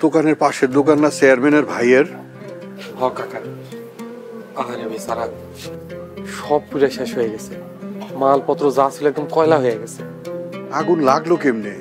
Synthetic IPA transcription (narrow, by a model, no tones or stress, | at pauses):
d̪̥okaneɾpaʃeɾd̪okanːat͡ɕejaɾmeneɾbʱajeɾ | hɔkaka | aɦaɾebesaɾa | ʃɔb̚kuɾaʃeʃɦojeɡɛt͡sʰe | malpɔt̪ɾozasiloɛk̚d̪omkɔjlaɦojeɡɛt͡sʰe | aɡunlaɡlokemne